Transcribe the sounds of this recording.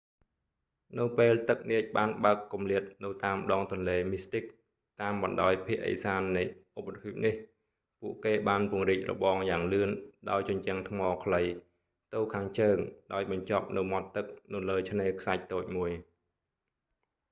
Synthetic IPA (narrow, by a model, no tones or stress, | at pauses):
nɨwpeːlt̪ɨk̚niəc̚ɓaːnɓaəkːumliət̪̚nɨwt̪aːmɗɑːŋt̪ŭənleːmist̪ik̚ | t̪aːmɓɑnɗaɔjpʰiəʔə̰saːnːɨjʔop̚ʰːapʰip̚nih | puəʔkeːɓaːnpuəŋriːc̚rɔ̰ɓɑːŋjaːŋlɨənɗaɔjt͡ɕoɲt͡ɕɛəŋt̪ʰmɑːkʰləj | t̪ɨwkʰaːŋt͡ɕəːŋɗaɔjɓɑɲt͡ɕɑp̚nɨwmɑt̪ːɨk̚nɨwləːt͡ɕʰneːkʰsac̚t̪oːc̚muəj